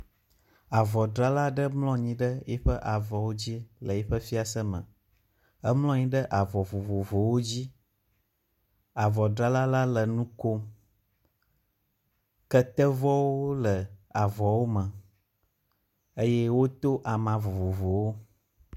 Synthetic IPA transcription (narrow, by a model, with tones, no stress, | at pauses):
a˨vɔ˨ɖɾa˦la˦ɖə˦mlɔ̃˦ɲĩ˨ɖə˦jɛ˦ɸə˦ʔa˨vɔ˨wo˦d͡ʑi˦lə˨jɛ˦ɸə˦fi˦a˨sə˦mə̰̃˨ | ə˦mlɔ̃˦ɲĩ˦ɖə˦ʔa˨vɔ˨vo˨vo˨vo˨wo˦d͡ʑi˦ | a˨vɔ˨ɖɾa˦la˦la˦lə˨nũ˦ko˦ | kə˦t̪ə˦vɔ˦wo˦lə˨a˨vɔ˨wo˦mə̃˨ | ə˦jɛ˦wo˦t̪o˦ʔa˨mã˨vo˨vo˨vo˨wo˦